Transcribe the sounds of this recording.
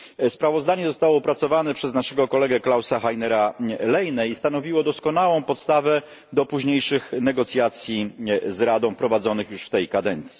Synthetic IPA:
spɾavɔzd̪aɲɛzɔst̪awɔupɾat̪sɔvanɛpʂɛznaʂɛɡɔkɔlɛɡɛklawsaxajnɛɾalɛjnɛist̪an̪ɔvʲiwɔd̪ɔskɔnawɔ̃w̃pɔt̪st̪avɛ | d̪ɔpuʑɲejʂɘxnɛɡɔt̪sʲjat̪sʲjizɾad̪ɔ̃w̃pɾɔvad̪zɔnɘxjuʂft̪ɛjkad̪ɛnt̪sʲji̥

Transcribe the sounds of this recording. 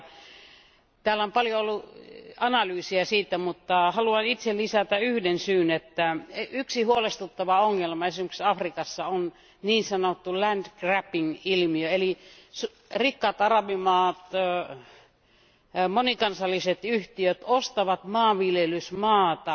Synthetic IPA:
t̪æːlːæompɑljoolːuɑnɑlyːsiɑsiːt̪æmut̪ːɑhɑluɑnit̪sellisæt̪æyhdensyːnet̪ːæyksihuolest̪ut̪ːɑʋɑoŋːelmɑesimeksɑfrikɑsːɑon | niːnsɑnot̪ːulænd̪kræpiŋilmiøeli | su | rikːɑt̪ɑrɑʋimɑːt̪ | monikɑnsɑlːiset̪yht̪iøt̪ost̪ɑʋɑt̪mɑːʋʋiljelysmɑːt̪ɑ

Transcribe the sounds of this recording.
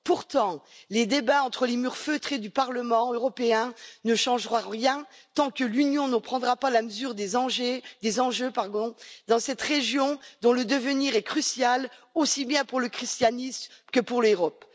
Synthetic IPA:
puʁt̪ɑ̃led̪ebaɑ̃t̪χəlemyʁføt̪χed̪ypaʁləmɑ̃øʁɔpeɛ̃nəʃɑ̃ʒʁãʁjɛ̃t̪ɑ̃kəlynjɔ̃nəpχɑ̃d̪ʁapalaməzyʁd̪ezɑ̃ʒed̪ezɑ̃ʒøpaʁd̪ɔ̃d̪ɑ̃sɛt̪ʁeʒjɔ̃d̪ɔ̃ləd̪əvəniʁɛkχysjalosibjɛ̃puʁləkχist̪janismkəpuʁløʁɔp

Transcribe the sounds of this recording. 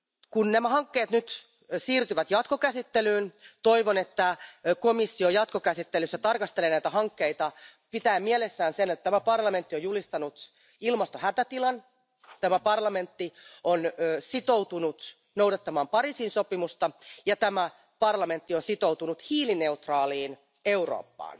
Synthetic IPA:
kunnæmæhɑŋkːeːt̪nyt̪ | siːrt̪yʋæt̪jɑt̪ko̞kæsit̪ːelyːnt̪oiʋonet̪ːækomisːiojɑt̪kokæsit̪ːelysːæt̪ɑrkɑst̪elenæit̪æhɑŋkːeit̪ɑpit̪æːmmielesːæːnsenet̪t̪æmæpɑrlɑme̞nt̪ːiojulist̪ɑnut̪ | ilmɑst̪ohæt̪æt̪ilɑn | t̪æmæpɑrlɑme̞nt̪ːionːsit̪o̞wt̪unut̪ | nowdɑt̪ːɑmɑːmpɑɾiːsiːnso̞pimust̪ɑjɑt̪æmæ | pɑrlɑme̞nt̪ːionsit̪owt̪unut̪hiːline̞ut̪rɑːliːn | e̞uro̰ːpːɑ̰ːn

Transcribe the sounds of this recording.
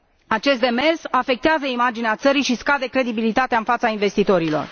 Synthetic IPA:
at͡ʃe̞st̪d̪e̞me̞rsafe̞k̚t̪eazəimad͡ʒineat̪səɾiʃiskad̪e̞kɾe̞d̪ibilit̪at̪eaɨnfat̪sainve̞st̪it̪o̞ɾilo̞̰r

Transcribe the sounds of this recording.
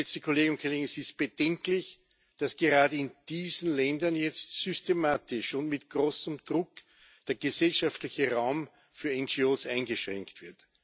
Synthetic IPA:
ɛt͡stəkʰoleːɡʊn̚kʰoleːɡŋɛsɪst̚b̥əd̥ɛŋklɪç | d̥asɡ̥əʁaːdəɪnd̥iːzn̩lɛndɐnjɛt͡stsʏstemaːtɪʃʊ̃ntmɪtɡ̥ʁoːsəmd̥ʁʊk | d̥eːɐɡəzɛlʃaftlɪçəʁaʊm | fyːɐɛnd͡ʒioːsæ̃ɪnɡəʃʁɛ̰ŋktv̥ɪɐt

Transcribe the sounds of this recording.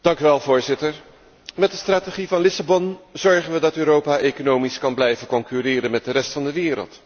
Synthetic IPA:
d̥ɑŋkyʋɛlˠvʊːɹzɪtəɹ | mɛtdəstraːteχivɑnlɪsabɔnzɔɹχənʋədɑtøːɾowpaːʔejkonowmiskɑnblɛjvənkɔŋkyrɪːɾənmɛt̚dərɛstfɑndəʋɪːɾə̰lˠt

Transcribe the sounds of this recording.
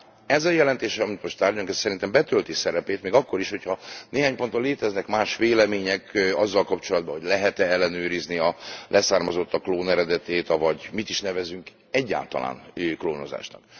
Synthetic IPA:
ɛzɒjɛlɛnt̪eːʃɛɒmit̪mo̞ʃt̪aːrɟuŋkɛssɛɾint̪ɛmbɛt̪ølt̪isɛɾɛpeːt̪meːɡɒkːo̞ɾiʃho̞chɒneːɦaːɲpo̞nt̪oleːt̪ɛznɛkmaːʃʋeːlɛmeːɲɛkɒzːɒlkɒpt͡ʃo̞lɒd̪̚bɒɦo̞ɟlɛɦɛt̪ɛɛlːɛnøːɾizniɒlʔɛsaːrmɒzo̞t̪ːɒkloːnɛɾɛd̪ɛt̪eːt̪ɒvɒɟmit̪iʃnɛvɛzyŋk | ɛɟːa̰ːlt̪ɒ̰la̰ːnkloːno̞za̰ːʃnɒ̰k

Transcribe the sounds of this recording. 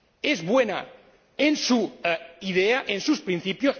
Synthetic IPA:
ezβwena̰ | ensuiðeaʔensuspɾinθipjos

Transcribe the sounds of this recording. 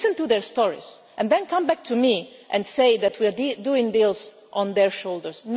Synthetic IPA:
sə̃ntuðɛɹst̪ɔɹḭz̥ | ʔɛ̃nd̪ɛ̃nkʰãmbæk̚t̪ʰumiʔɛ̃nseɪðætwiɹduɪ̃ŋd̪ilˠs | ʔɔ̃nd̪ɛɹʃoldəɹsn

